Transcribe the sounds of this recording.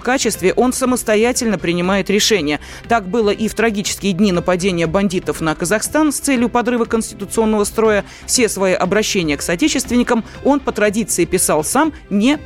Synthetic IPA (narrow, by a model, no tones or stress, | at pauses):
kat͡ɕɪst̪vʲɪʔo̞nsəməst̪ɐjætʲɪlʲnəpɾʲɪnʲɪmajɪt̪ɾʲɪʂɛnʲɪjə | t̪ak̚bɨlˠəʔift̪ɾɐɡʲit͡ɕɪ̥skʲɪjədʲnʲinəpɐdʲenʲɪjəbɐnʲdʲit̪əfnəkəzɐxst̪anst̪sɛlʲjʊpɐd̪ɾɨvəkənsʲtʲɪ̥t̪ʊt̪sɨo̞nːəvəst̪ɾo̞jə | fsʲe̞svɐiʔɐbɾɐɕːenʲɪjəksɐtʲet͡ɕɪst̪vʲɪnʲɪkəm | o̞npət̪ɾɐdʲit̪sɨɪpʲɪsalˠsam | nʲe